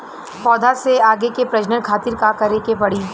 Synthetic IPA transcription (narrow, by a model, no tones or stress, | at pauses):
pɔːd̪ʱaseaːɡekepɾɐd͡ʒnənkʰaːt̪ɪɾkakɐɾekepɐɽ̤i